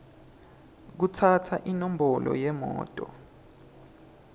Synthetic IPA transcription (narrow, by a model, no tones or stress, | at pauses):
k̬utʰatʰaʔinom̩bɔlʔɔ̰jɛmɔ̰ːtʼɔ